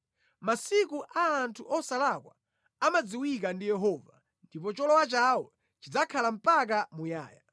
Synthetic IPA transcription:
masikuʔaːntʰuʔɔsalakwa̰ | amad͡ziwikandijɛɦɔːva | ndipɔt͡ʃɔlɔwat͡ʃawɔ | t͡ʃid͡zakʰalam̩pak̬amuja̰ːja

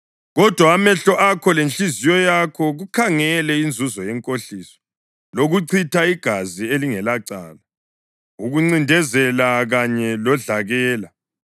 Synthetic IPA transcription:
ɣɔd̥ʱwaːmɛɬɔʔakʰɔlent͡ɬʼizijɔjakʰɔɣukʰaŋɛlɛind͡zʱuzɔjɛŋkʼoɬiːsɔ̥ | loɣuǀʰitʰaiɡ̥ʱazieliŋɛlaǀa̰ːla | uɣuŋ͡ǀindʱɛzɛlaɣaɲɛlɔɮaɣɛːla

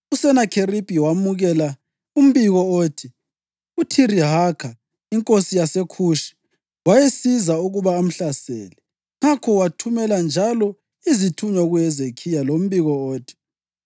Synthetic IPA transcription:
usɛnakʰeripʼiwamuɣɛla | um̩βiɣɔoːtʰi | utʰiɾiɦakʰa | iŋkʼosijasekʰuʃi̥ | wajesizauɣuβaːm̩ɬasɛ̰ːlɛ | ŋakʰɔwatʰumɛland͡ʒʱalɔ | izitʰuɲɔɣujɛzekʰijalom̩βiɣɔoːtʰi̥

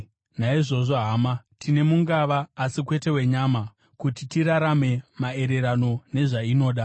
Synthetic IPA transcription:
naiʐo̞ʐo̞ɦaːmatine̞muŋɡaʋaːsikwe̞te̞we̞ɲama | kutitiɾaɾame̞mae̞ɾe̞ɾano̞ne̞ʐaino̞ːɗa

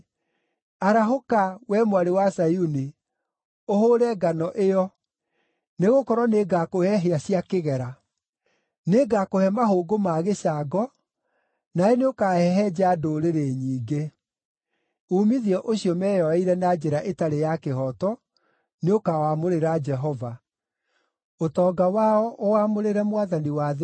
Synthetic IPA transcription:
aɾaɦokawɛmwaɾewasajuni | ohoːɾɛɡanɔʔeɔ | neɣokɔɾwɔneɡakohɛɦeasiakeɣɛɾa | neɡakohɛmaɦoɡomaːɣeɕaɡɔ | naeneokaɛɦɛd͡ʑadoɾeɾeɲiːɡe | umiðiɔʔoɕiɔmɛːjɔɛiɾɛnad͡ʒɛɾaʔetaɾejakehɔtɔ | neokawamoɾeɾad͡ʒɛɦɔva | otɔːɡawaɔʔowamoɾeɾɛmwaðaniwað

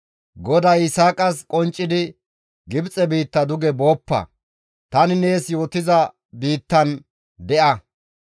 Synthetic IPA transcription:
ɡɔd̪ɐjɪsaːkʼɐskʼɔnt͡ʃʼːɪd̪ɪ | ɡɪbt͡sʼɛbiːt̪ːɐd̪ʊɡɛbo̞ːpːɐ̰ | t̪ɐnɪne̞ːsjo̞ːt̪ɪzɐ | biːt̪ːɐn | d̪ɛʔɐ

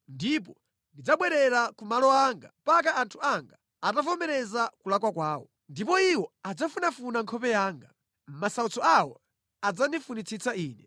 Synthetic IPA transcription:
ndip̬ɔ | ndid͡zaɓwɛɾɛɾakumalɔaŋɡa̰mpak̬aʔantʰuaŋɡa | atafɔmɛɾɛzakulakwakwaːwɔ̰ | ndipɔiwɔad͡zafunafunaŋkʰɔpɛjaːŋɡa | masaut͡sɔawɔ̰ | ad͡zanifunit͡sʰit͡saiːnɛ

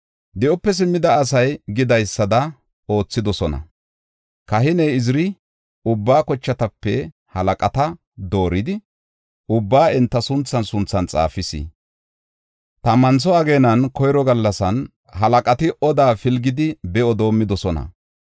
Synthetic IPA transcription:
d̪ɪʔɔpːɛs̬ɪmːɪd̪ɐːs̬ɐjɡɪd̪ɐjsːɐd̪ɐ | o̞ːt͡sːɪd̪ɔsɔnɐ̰ | kɐɦɪnɛjɪzɾɪ | ʊbːaːkɔt͡ʃːɐt̪ɐpːɛ | hɐlɐkʼɐt̪ɐ | d̪o̞ːɾɪd̪ɪ | ʊbːaːɛnt̪ːɐsʊnt͡sːɐnsʊnt͡sːɐnt͡sʼa̰ːfɪsɪ̰ | t̪ɐmɐnt͡s̬ɔɐɡeːnɐnkɔjɾɔɡɐlːɐsɐn | ɦɐlɐkʼɐt̪ɪʔɔd̪aːfɪlɡɪd̪ɪbɛɔd̪o̞ːmːɪd̪ɔsɔnɐ̰

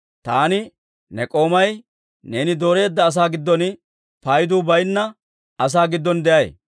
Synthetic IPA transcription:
t̪aːnɪ | nɛkʼo̞ːmɐj | ne̞ːnɪd̪o̞ːɾe̞ːd̪ːɐːs̬aːɡɪd̪ːɔn | pɐjd̪uːbɐjnːɐ | ɐs̬aːɡɪd̪ːɔnd̪ɛʔɐj

